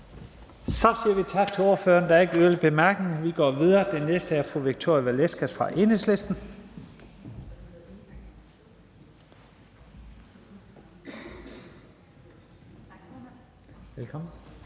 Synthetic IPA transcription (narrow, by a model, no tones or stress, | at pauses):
sɒ̽siːɐʋit͡sʰɑ̈ɡ̥̚t͡sʰe̝o̝ɐfø̰ːɐnd̥ɑ̈æɐe̝ɡ̥əøləb̥e̝mæɐɡ̥eŋʋiɡ̥ɒ̰ːʋið̞ˠɐːd̥enːesd̥əæɐfʁuʋiɡ̥̚t͡sʰo̝ɐ̰jiʋælesɡ̥æsfʁɑ̈ʔe̝nesle̝sd̥n̩ | elkʰɒ̽mn̩